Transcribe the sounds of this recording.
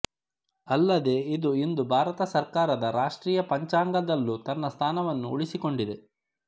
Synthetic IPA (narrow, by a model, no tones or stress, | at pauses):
ɐlːɐd̪e̞ːid̪uind̪ubʱaːɾɐt̪ɐsɐɾkaːɾɐd̪ɐɾaːʂʈɾiːjɐpɐɲt͡ʃaːŋɡɐd̪ɐlːut̪ɐnːɐst̪ʰaːnɐʋɐnːuuɭisiko̞ɳɖid̪e̞